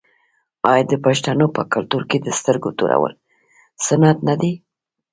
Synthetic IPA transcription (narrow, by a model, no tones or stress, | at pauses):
ɑjd̪əpaʃt̪anopəkalt̪uɾked̪əst̪əɾɡot̪uɾa̰wə̰l | sanat̪nad̪i